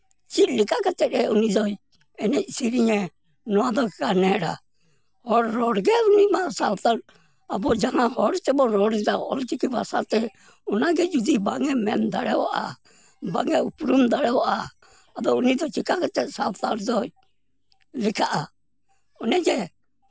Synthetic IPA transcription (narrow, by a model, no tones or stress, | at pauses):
t͡ʃilɪkakat̪ɛtɛunid͡ʒɔj | ɛnɛsiɾiɲɛ | nɔad̪ɔkɛkanɛɾa̰ | ɔɾɾɔɾɡɛʊnimasalt̪aɾ | abɔd͡ʒaŋahɔɾt̪ɛbɔɾɔɾd͡ʒaɔ̰ltikiba̰sa̰t̪ɛ | ʊnaɡɛd͡ʒud̪ibaŋɛmɛ̰nd̪aɽɛɔ̰ʔa̰ | ba̰ŋɛupɾumd̪aɽɛɔʔa | ab̪ɔʊnid̪ɔt͡ʃikakat̪ɛtsalt̪aɾd͡ʒɔj | lɪkʰaʔa | ɔnɛd͡ʒɛ